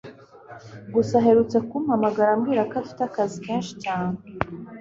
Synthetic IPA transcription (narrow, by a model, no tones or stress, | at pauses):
ɡusaɦe̞ɾut͡sekumhamaɡaɾamɡiːɾakafi̥takazikeːnʃi̥caːn̥e